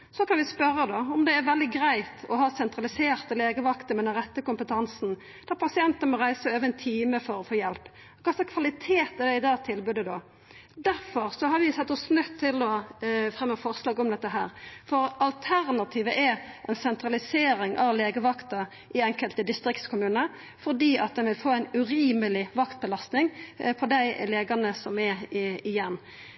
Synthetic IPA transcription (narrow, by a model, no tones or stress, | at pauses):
sɔkɑnʋɪspœɾːəd̪oʊmd̪ɛæɾʋɛld̪ɪɡɾæɪt̪ɔɦɑːsɛnt̪ɾɑlɪseːɾt̪əleːɡəʋɑkt̪əmɛd̪ɛnʁɛt̪ːəkʊmpət̪ʰɑnsn̩ | d̪̥æɾpʰɑsɪɛnt̪ənəmɔɾæɪsəøːʋəɛnt̪ʰiːməfɔɾɔfoːjɛlpː | kʰɑsɛkʰʋɑlɪt̪ʰeːt̪ɛd̪ɛɪd̪ɑːt̪ʰɪlbʉd̪əd̪o | d̪æɾfɔɾsɔɦɑɾʋɪsɛt̪ːɔsnœt̪ʰːɪlɔfɾɛmːəfɔɾslɑːɡɔmd̪ɛt̪ːəɦæ̰ːɾfɔɾɑlt̪ʰæɾnɑt̪ʰiːʋəʔɛʔɛnsɛnt̪ɾɑlɪseːɾɪŋʔɑ̰ʋleːɡəʋɑkt̪ɑ | ʔɪɛŋkəlt̪əd̪ɪst̪ɾɪkt̪skʰʊmʉːnə | fɔʁd̪iːʔɑt̪̚d̪ɛnʋɪlfoːæɪnʉɾiːməlɪʋɑkt̪̚bəlɑst̪nɪŋpʰɔd̪æɪleːɡɑnəsɔmɛɪjɛnː